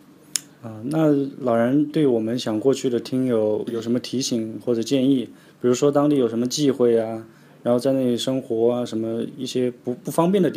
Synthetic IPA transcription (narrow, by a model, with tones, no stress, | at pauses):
ə˥˧na˥˩lɑ˨˩ʊɻə˧˥nt̪we˥˩ɪwɔ˨˩mə˦nɕjɑ˨˩ŋkwɔ˥˧t͡ɕʰy˥˩d̪ə˩t̪ʰi˥ŋjo˨˩˦ʊjo˨˩ʊʂ̬ə˧˥mə˧t̪ʰi˧˥ɕi˨˩˦ŋxwɔ˥˩ʈ͡ʂɤ˨˩t͡ɕjɛ˥˧ni˥˩ | pi˨˩ɻu˧˥ʂwɔ˥t̪̬ɑ˥ŋt̪i˥˩jo˨˩ʊʂə˧˥mə˧t͡ɕi˥˧xwe˥˩ɪɐ˩ | ɻa˧˥nxo˥˧t͡sa˥˧ɪna˥˩i˧˩ʂɤ˥ŋxwɔ˧˥a˧ʂə˧˥mə˧i˥˩ɕjɛ˥pu˧˥pu˥˩fɑ˥ŋpjɛ˥˩nd̪ə˩t̪